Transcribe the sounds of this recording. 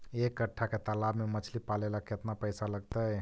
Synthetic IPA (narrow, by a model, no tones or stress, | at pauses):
ekːəʈʰːaket̪alabmemət͡ʃʰlipalelaket̪napəjsaləɡt̪əj